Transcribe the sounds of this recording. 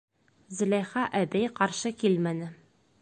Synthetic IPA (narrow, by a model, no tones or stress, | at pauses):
zɘ̆læjχɑʔæbæjqɑɾʃɤkilmænɘ